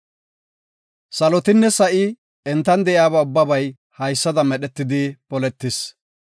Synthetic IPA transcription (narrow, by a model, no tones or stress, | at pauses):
sɐlɔt̪ɪnːɛsɐʔɪ | ɛnt̪ːɐnd̪ɛʔjaːbɐʊbːɐbɐj | hɐjsːɐd̪ɐmɛɗɛt̪ːɪd̪ɪpɔlɛt̪ːɪs